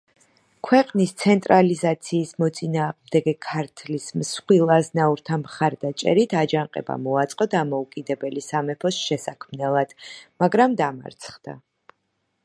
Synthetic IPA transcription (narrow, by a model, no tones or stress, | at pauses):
kʰwɛqʼnist̪sʰɛnt̪ʼɾalizat̪sʰiːsmɔt̪sʼinaːʁmd̪ɛɡɛkʰaɾt̪ʰlismsχwilˠaznauɾt̪ʰamχaɾd̪at͡ʃʼɛ̰ɾit̪ʰad͡ʒaŋqʼɛ̰ba̰mɔat̪sʼqʼɔd̪amɔukʼid̪ɛbɛlisamɛpʰɔsʃɛsakʰmnɛlˠad̪̥maɡɾamd̪ama̰ɾt̪sʰχd̪̥a̰